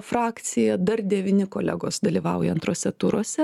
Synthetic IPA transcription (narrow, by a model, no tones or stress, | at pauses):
fɾɑːkt̪sʲɪjɛd̪ɐrd̪ʲɛʋʲɪnʲɪkoːlʲɛ̰ɡoːsd̪ɐlʲiːʋɐʊjɛ̰ɐnt̪ɾoɔsʲɛt̪ʊɾoɔsʲɛ